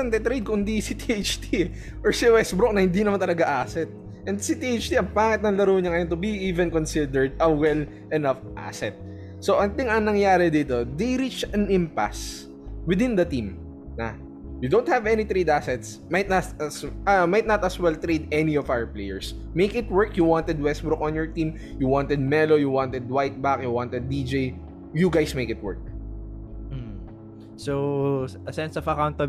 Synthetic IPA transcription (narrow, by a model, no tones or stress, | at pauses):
ɐŋd̪ɛt̪ɾejd̪̚kohɪnd̪isit̪iet͡ʃt̪i | ʔɔɹsiɛsbɾok̚nɐhɪ̃nd̪inɐmant̪ɐlɐɡaʔaːsɛt̪̚ | ʔɛ̃nd̪sit̪iet͡ʃd̪iɐŋpaːŋɪt̪nɐŋlɐɾuːɲɐŋɐjont̪ʊbiʔivɛ̃nkonsɪd̪ɛɹd̪̚ɐwɛl | ʔɛnɐfʔa̰sɛ̰t̪̚ | soʔɐŋt̪ɪŋɐŋnɐŋjaːɾɛd̪iːt̪o̞d̪ejɾit͡ʃɐnɪ̃mpa̰s | wɪd̪ɪ̃nd̪ɐt̪ĩm | nɐ̰ | jʊd̪õw̃nt̪hɐvɛnit̪ɾid̪asɛt̪s | majt̪̚natɐsɐmajt̪̚nɐt̪ɐswɛlt̪ɾejd̪ɛniɔvawə˞plḛjɛɹs | mejkɪt̪̚wɛɹkjʊwãnt̪ɛd̪̚wɛst̪̚bɹʊkɔnjɔɹt̪ĩm | jʊwãnt̪ɛd̪̚mɛlojʊwãnt̪ɛd̪wajt̪̚bakjʊwãnt̪ɛd̪̚ːid͡ʒej | jʊɡajsmejkɪt̪̚wɛ̰ɹk̚ | m̩ | soɐsɛ̃nsɔvɐkawnt̪ɐ